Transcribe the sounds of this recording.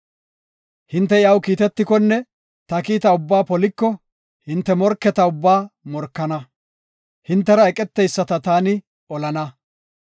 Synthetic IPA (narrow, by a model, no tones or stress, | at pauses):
hɪnt̪ːɛjɐwkiːt̪ɛt̪ːɪkɔnːɛ | t̪ɐkiːt̪ɐʊbːaːpɔlɪkːɔ | hɪnt̪ːɛmɔɾkːɛt̪ɐʊbːaːmɔɾkːɐnɐ | hɪnt̪ːɛɾɐɛkʼɛt̪ːɛjsːɐt̪ɐt̪aːnɪ | ɔlɐnɐ